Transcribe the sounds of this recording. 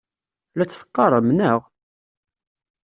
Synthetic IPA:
læt͡sːθə̥qːɑɾˤəmnəʁ

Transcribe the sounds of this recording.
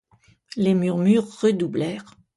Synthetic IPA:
lemyʁmyʁːəd̪ublɛːʁ

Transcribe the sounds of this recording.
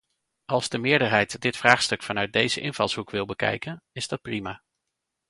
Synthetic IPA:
ʔɑlˠzdəmɪːɹdəɹɦɛjtdɪtfraːχstɵkfɑnœɥt̚dejzəʔɪnvɑlˠsɦukʋɪlˠbəkɛ̰jkənɪzdɑt̚primaː

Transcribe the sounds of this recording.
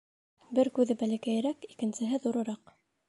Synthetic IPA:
bɘɾkʉðɘbælækæjɘ̆ɾækikɘ̆nsɘ̆ɦɘðuɾɤ̆ɾɑq

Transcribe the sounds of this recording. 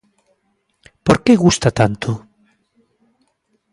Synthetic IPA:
poɾkeɣust̪at̪ant̪o

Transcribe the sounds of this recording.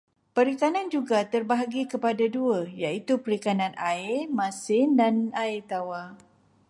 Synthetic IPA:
pəɾikanãnd͡ʒuɡat̪ərbaɦaɡikəpadaduəjait̪upəɾikanãnaɪmãsɪndanaet̪awa

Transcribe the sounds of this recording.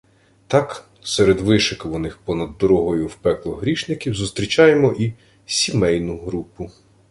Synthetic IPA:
t̪ɑk | sɛɾed̪ʋɪʃɪkʋɔnɪxpɔnɐd̪ːɔɾɔɦɔjʊwpɛklˠɔɦɾʲiʃnɪkʲiwzʊst̪ɾʲit͡ʃɑjemɔʔi | sʲimɛjnʊɦɾupʊ

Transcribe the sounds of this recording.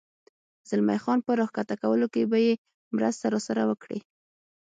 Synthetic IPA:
z̥əlma̰jxɑnpəɾɑxkat̪akawəlokebaje | mɾəst̪aɾɑsaɾawəkɽḭ

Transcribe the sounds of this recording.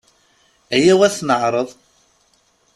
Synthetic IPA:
æjæwæθnəʕɾˤəðˤ

